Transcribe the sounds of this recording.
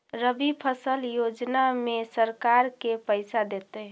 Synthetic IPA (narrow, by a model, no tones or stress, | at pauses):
ɾəbipʰəsəljod͡ʒnamesəɾkaɾkepəɪsad̪et̪e